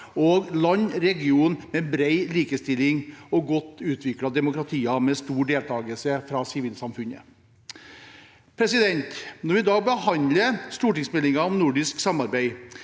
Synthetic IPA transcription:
oːɡlɑnːɾɛɡɪuːnmɛbɾeɪliːkəst̪ɪlːɪŋɔɡɔt̪ːʉːt̪ʰʋɪkɽɑd̪ɛmʊkɾɑt̪ʰiːɑmɛst̪uːɖeːlt̪ʰɑːɡəlsəfɾɑsɪʋiːlsɑmfʉnə̰ | pʰɾɛsɪd̪ɛnt̪nɔɾʋɪd̪ɑːɡ̚bəhɑnləst̪uːʈɪŋsmɛlɪŋɑɔmnʊɖɪsksɑmɑɾbæɪ

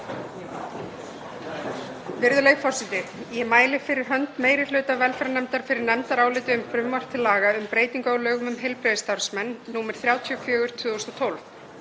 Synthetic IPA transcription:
vɪɾðʏlejfɔr̥sɪt̪ɪjɛmaːjlɪfɪɾɪɾ̥ɦœnt̪meːjɾɪlʏːt̪avɛlfɾanɛmt̪aɾ̥fɪɾɪɾnɛmt̪aɾaːwlɪːt̪ɪʏmfɾʏmːar̥t̪ʰɪlːaːɣaʏmpɾeːjt̪iŋkaːwlœːɣʏmʏmɦejlpɾɛðst̪aɾsmɛnːuːmɛɾ̥θɾjaːwt̪ʰiɔfjœːɣʏɾ̥t̪ʰvʏːðɔst̪ɔt̪ʰowlf

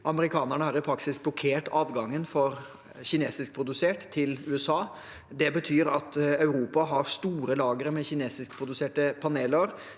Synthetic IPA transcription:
ʔɑməɾɪkʰɑːnæɳəhɑɾɪpʰɾɑksɪsblɔkʰeːʈɑːd̪ɡɑŋːənfɔɾ | çɪneːsɪsk̚pʰɾʊd̪ʉseːʈt̪ʰːɪlʉːɛsɑː | d̪ɛbət̪ʰyːɾɑt̪ɑʉɾuːpɑɦɑɾst̪uːɾəlɑːɡəɾmɛçɪneːsɪskpʰɾʊd̪ʉseːʈəpʰɑneːləɾ

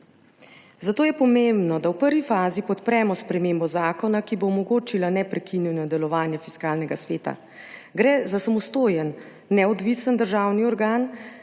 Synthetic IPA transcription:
zat̪oːjɛpɔmembnɔd̪awpəɾʋifaːzipɔt̪pɾɛːmɔspɾɛmembɔzaːkɔnakiboːmɔɡoːt͡ʃilanɛpɾɛkiniwnɔd̪ɛlɔʋaːnjɛfi̥skaːlnɛɡasʋeːt̪a̰ | ɡɾɛːzasamɔst̪oːjənː | ɛɔd̪ʋisənd̪əɾʒaːwniɔɾɡaːn

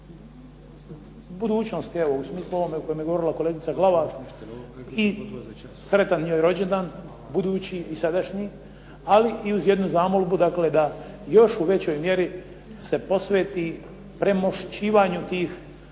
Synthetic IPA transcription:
bud̪uːt͡ɕno̞st̪ie̞ʋousmiːslˠuoomeuko̞jomjeɡoo̞ɾilako̞leːɡit̪saɡlaʋa | i | sɾe̞t̪anɲoːjɾo̞d͡ʑend̪an | bud̪uːt͡ɕiːsad̪aʃɲi | aliʔiuzje̞d̪nuzaːmolbud̪akled̪a | jo̞ʃuʋe̞t͡ɕo̞jmje̞ɾi | se̞po̞sʋe̞ːt̪i | pɾe̞mo̞ʃt͡ɕiːʋaːɲut̪iːx

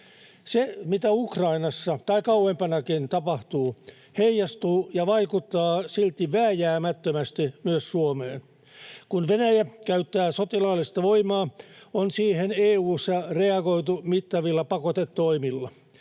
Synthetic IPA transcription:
semit̪æukrɑinɑsːɑt̪ɑikɑuempɑnɑkint̪ɑpɑht̪uː | heijɑst̪uːjɑʋɑikut̪ːɑːsilt̪iʋæːjæːmæt̪ːømæst̪imyøssuomeːn | kunʋenæjækæyt̪ːæːsot̪ilɑːlːist̪ɑʋoimɑːonsiːheneːuːsːɑreɑɡoit̪umit̪ːɑʋilːɑpɑkot̪et̪ːoimilːɑ

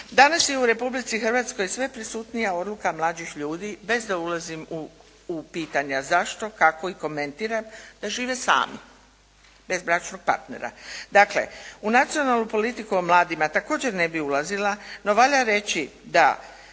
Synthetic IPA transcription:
d̪anasjeuɾe̞publit̪sixr̩ʋat̪sko̞jsʋe̞pɾisuːt̪nijao̞d̪lukamlˠaːd͡ʑixʎuːd̪ibe̞zd̪aulazimuː | piːt̪aɲazaʃt̪o̞kako̞iko̞me̞nt̪iːɾamd̪̥aʒiːʋe̞sa̰ːmḭ | be̞zbɾat͡ʃno̞ɡ̚pa̰ɾt̪ne̞̰ɾa̰d̪akle̞̰unat̪sijo̞nalnupo̞lit̪ikuomlˠaːd̪imat̪ako̞ːd͡ʑe̞ɾne̞biulazilano̞ʋaʎaɾe̞t͡ɕid̪a̰

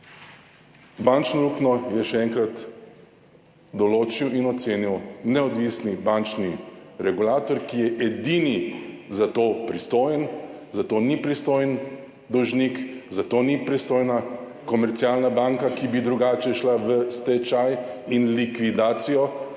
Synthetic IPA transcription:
bant͡ʃnɔluːknɔjɛʃɛɛŋkɾat̪ | d̪ɔloːt͡ʃiwinɔt̪seːniwnɛɔd̪ʋisnibant͡ʃniɾɛɡulaːt̪ɔɾkijɛʔɛd̪inizat̪oːpɾist̪oːjənzat̪oːnipɾist̪oːjən | d̪ɔwʒnikzat̪oːnipɾist̪oːjna | kɔmɛɾt̪sialnabaŋkakibid̪ɾuɡaːt͡ʃɛʃlaʋəst̪ɛt͡ʃajinlikʋid̪aːt̪sijɔ

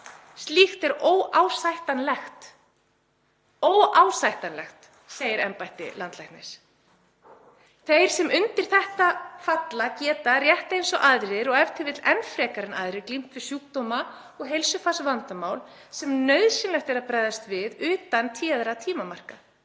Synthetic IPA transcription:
st̪lixt̪ɛɾoːwaːwsajht̪anlɛxt̪ | owaːwsajht̪anlɛ̰xt̪ | sejɪɾɛ̰mpajht̪ɪ̰lant̪lajhkt̪nɪs | θejɾ̥sɛmʏnt̪ɪɾ̥θɛht̪afat̪lacɛːt̪arjɛht̪ejnsɔʔaðɾɪɾɔɣɛvt̪ʰɪvɪt̪lɛnfɾɛːkaɾɪna̰ðɾɪklim̥t̪vɪɾ̥sjuːk̚t̪owma | ɔɣɦejlsʏfasvant̪amaːwl | sɛmnœɥðsɪnlɛxt̪ɛɾaðpɾaːjðast̪vɪðʏːt̪ant̪ʰiːaðɾat̪ʰiːmamar̥ka

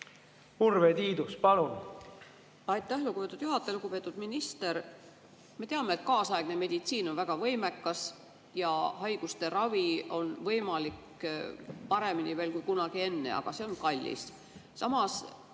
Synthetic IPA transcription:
urvet̪iːd̪uspɑlun | ɑjt̪ːˑæhlukɡupe̞t̪ːˑud̪̥juɦɑt̪ːˑeluɡupe̞ːt̪ːˑud̪̥minist̪e̞ɾ | me̞t̪eɑme̞et̪̚kɑːsɑeɡ̥neme̞d̪̥it̪siːno̞nvæɡ̥ɑvɤjmekːɑs | jɑɦɑjɡ̥ust̪e̞ɾɑvio̞nvɤjmɑlik | pɑɾe̞minive̞ːlkujkunɑɡ̥ie̞nːe̞̰ɑ̰ɡ̥ɑseo̞nkɑlʲːḭs | sɑmɑs

